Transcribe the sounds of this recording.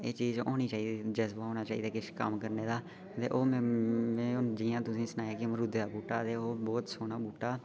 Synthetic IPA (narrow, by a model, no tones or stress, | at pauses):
eːt͡ʃiːzoːniːt͡ʃaːɦid̪iːd͡ʒɛːsbaːɦoːnaːt͡ʃaːḭːd̪aːkɪʃkə̰mkəɾneːd̪aː | t̪ḛːʔoːmːmẽːd͡ʒiːãːt̪ʊsĩːsnaːjaːkeməɾʊd̪eːd̪aːbuːʈaːt̪eːoːbɔːt̪soːnaːbuːʈaː